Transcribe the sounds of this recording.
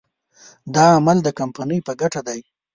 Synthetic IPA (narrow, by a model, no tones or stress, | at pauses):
d̪ɑamald̪əkampanəjpəɡaʈad̪aj